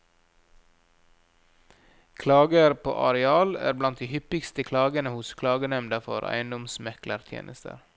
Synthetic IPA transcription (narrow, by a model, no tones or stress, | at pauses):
kʰlɑːɡəɾpʰo̰ːʔɑɾɛɑːlæ̰ːɾblɑnt̪̚d̪iːhʏpɪkst̪əkʰlɑːɡənəhʊskʰlɑːɡənɛmnd̪ɑfɔ̰ɾæ̰ɪənd̪ʊmsmɛkləɾt̪ʰjḛːnəst̪ʰə̰ɾ